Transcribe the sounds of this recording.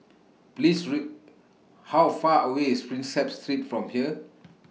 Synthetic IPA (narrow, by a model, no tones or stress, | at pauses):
plisɹi | hawfaəweispɹĩnsɛpstɹitfɹɔ̃mhiə